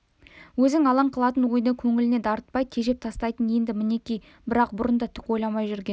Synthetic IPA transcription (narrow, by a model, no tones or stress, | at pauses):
wɵzɪŋɑlˠɑɴqʰəlˠɑt̪ənwo̞jd̪əkʲʰɵŋɪlɪne̞d̪ɑɾət̪̚pɑjt̪ʲʰe̞ʒe̞p̚t̪ʰɑst̪ɑjt̪ənje̞nd̪ɪmɪne̞kʲij | bɪɾɑq̚bʊɾənd̪ət̪ʰʏ̥ko̞jlˠɑmɑjʒʏɾɡʲen